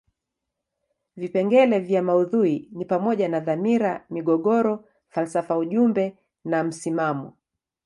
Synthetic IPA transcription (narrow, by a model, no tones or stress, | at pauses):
vipɛŋɡɛlɛvjamauðuinipamɔʄanaðamiɾamiɠɔɠɔɾɔ | falsafauʄumbɛ | nam̩simamɔ